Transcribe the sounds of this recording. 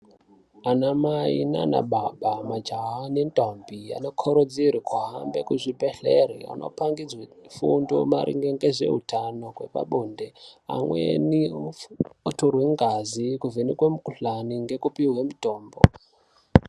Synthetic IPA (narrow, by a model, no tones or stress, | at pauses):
anamaina̰na̰ɓaɓamad͡ʒaɦanentʼombia̰nokʰoɾod͡ziɾikʰwaɦa̰mbekuʐipeɬeɾḭa̰no̰paŋɡid͡zwefundo̰maɾʔḭŋɡeŋɡeʐe̞̰ɦutʰano̞kwe̞̰pa̰ɓondea̰mwḛni | otorweŋɡazikuvenikwemukuɬaniŋɡe̞kupiɦwemutoːmbo̰